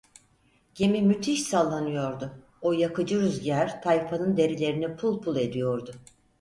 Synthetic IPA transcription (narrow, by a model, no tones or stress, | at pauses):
ɟ̥e̞mimyt̪ʰiʃsalˠːanɯjo̞ɾd̪ʊ | ojakɯd͡ʒɯɾyzɟæɾt̪ʰajfanɯnd̪e̞ɾilʲe̞ɾinipʰulˠpʰulˠe̞d̪ijo̞ɾd̪ʊ